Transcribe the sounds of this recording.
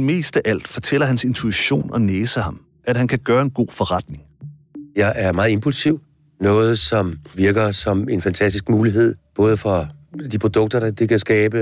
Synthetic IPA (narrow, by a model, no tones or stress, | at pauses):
me̝̰ːsd̥əʔæl̰d̥fɒ̽t͡sʰel̰ɐɦænse̝nt͡sʰuiɕo̝̰ːnɒ̽neːsəhɑ̈m | ʔæd̥ɦænkʰæɡ̥ɶːɐe̝nɡ̥o̝̰ːfɒ̽ʁad̥ne̝ŋ | jɑ̈ɪʔæɐmɑ̈ːð̩ˠe̝mpʰulsiʊ̰ | nɔ̽ːð̞̩ˠsɒ̽mʋiɐɡ̥ɐsɒ̽me̝nfænt͡sʰæsd̥isɡ̥muːliɦe̝ð̞̰ˠb̥ɔ̽ːð̞ˠəfʁɑd̥ipʰʁod̥ɔ̽ɡ̥̚d̥ɐɾɑ̈d̥ekʰæsɡ̥ɛːb̥ə